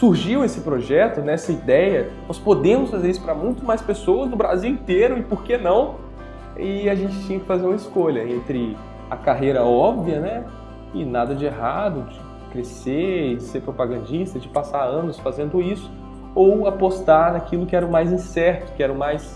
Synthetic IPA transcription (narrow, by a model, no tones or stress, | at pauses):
suɾʒiwesɪpɾoʒɛt̪ʊnɛsɐid̪ɛjɐnɔspod̪ẽmʊsfazeɾisʊ̥pɾɐmũj̃t̪ʊmajspesowɐznʊbɾaziwĩnt̪eɾʊɪpoɾkenɐ̃w̃ | ɪaʒẽt͡ʃɪ̥t͡ʃĩɲɐkɪ̥fazeɾũmɐɪskoʎɐẽnt̪ɾɪ | ɐ̰kaɦejɾɐɔbviɐnɛ | ɪnad̪ɐd͡ʒɪeɦad̪ʊd͡ʒɪd͡ʒkɾeseɪd͡ʒɪseɾpɾopaɡɐ̃nd͡ʒist̪ɐd͡ʒɪpasaɾɐ̃nʊsfazẽnd̪ʊisʊ̥ | owapost̪aɾnakʰilʊkɪɛɾɐ̃majzĩsɛɾt̪ʊ̥kɪɛɾɐ̃ʊ̃majs